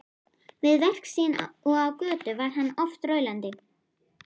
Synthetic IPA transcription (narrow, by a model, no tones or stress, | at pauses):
vɪðvɛr̥ksinɔɣawkœːt̪ʏvaɾ̥ɦanːɔft̪rœːɥlant̪ɪ